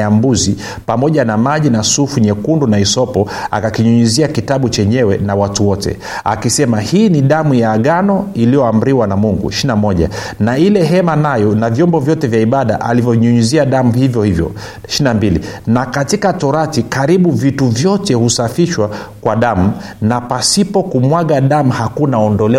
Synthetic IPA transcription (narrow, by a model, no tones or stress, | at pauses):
ambuzi | pamɔʄanamaʄinasufuɲɛkundunaisɔpɔ | a̰kakiɲuɲuziakitaɓut͡ʃɛɲɛwɛnawatuwɔtʰɛ̰ | a̰kisɛmahiːniɗamujaːɠanɔilijɔam̩ɾiwanamuŋɡṵʃinamɔʄa̰ | nailɛɦɛmanajɔnavjɔmbɔvjɔtɛvjaiɓaɗa̰ʔa̰livjɔɲuɲuziaɗamuhivjɔhivjɔ̰ | ʃinambilḭnakatikatɔɾatikaɾiɓuvituvjɔtɛhusafiʃwakwaɗam̩ | napasipɔkumwaɠaɗamuhakunaɔndɔlɛ